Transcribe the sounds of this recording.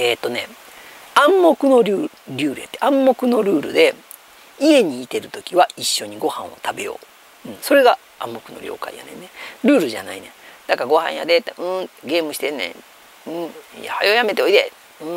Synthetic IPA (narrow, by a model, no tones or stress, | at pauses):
e̞ːt̪ːo̞ne̞ | ãmːo̞kɯ̟no̞ɾʲɯː | ɾʲɯːɾɯ̟jat̪ːeãmːo̞kɯ̟no̞ɾɯ̟ːɾɯ̟̰d̪e̞ | ie̞ɲ̟iːt̪e̞ɾɯ̟t̪o̞kʲiβaiɕːo̞ɲ̟iɡo̞hã̰ɰ̃o̞̰t̪abe̞jo̞̰ː | ɯ̟̃ɴ̃so̞ɾe̞ɡa | ãmːo̞kɯ̟no̞̰ɾʲʔo̞̰ːka̰ḭja̰nẽnːeɾɯ̟ːɾɯ̟ʑa̰na̰inẽ̞̰d̪̥akaɡo̞hã̰ɰ̃ja̰d̪et̪ːeɯ̃t̪ɡe̞ːmɯ̟ɕi̥t̪enːḛ̃ | ɯ̟̃ja̰hajo̞jame̞t̪eoid̪e | ɯ̃ɴ